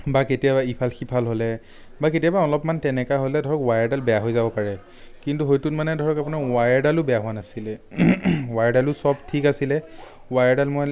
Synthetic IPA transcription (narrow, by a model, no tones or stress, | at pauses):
baketijabaipʰalxipʰalɦolɛ | baketiabaɔlɔpmantɛnɛkaɦolɛdʱɔɹɔkwajaɹdalbɛjaɦojzabɔpaɹɛ | kintuɦojtunmanɛdʱɔɹɔkapunawajɹdalʊbɛjaɦʊwanasilɛ | wajɹdalʊsɔbtʰikasilɛ | wajaɹdalmoj